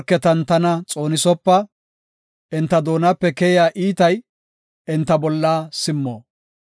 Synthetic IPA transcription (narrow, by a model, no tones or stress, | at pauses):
ɾkːɛt̪ɐnt̪ɐnɐt͡sʼo̞ːnɪsɔpːɐ | ɪnt̪ːɐd̪o̞ːnɐpːɛkɛjjaːʔiːt̪ɐj | ɪnt̪ːɐbɔlːaːsɪmːoː